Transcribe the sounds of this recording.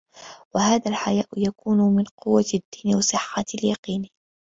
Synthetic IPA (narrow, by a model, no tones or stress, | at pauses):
wahaːðalħajaːʔjakuːnʊmɪnqʊwːad̪ːiːnwɑsˤɨħːaljɑqiːn